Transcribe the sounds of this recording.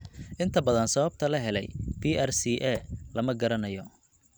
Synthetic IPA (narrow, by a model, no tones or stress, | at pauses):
ʔɪnt̪ʰɐbɐðɐnsɐβɐb̚t̪ʰɐlɐɦɛlɛ̰jpʰiːʔɛrsiːʔɛlɐmɐɡɐɾɐnɐjɔ